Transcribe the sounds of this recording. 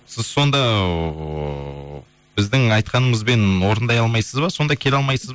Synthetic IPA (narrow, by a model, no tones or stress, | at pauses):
sɪzso̞nd̪ɑ | bɪzd̪ɪŋɑjt̪qɑnəməzbe̞nwo̞ɾənd̪ɑjɑlˠmɑjsəzbɑso̞nd̪ɑkʲʰe̞lɑlˠmɑjsəz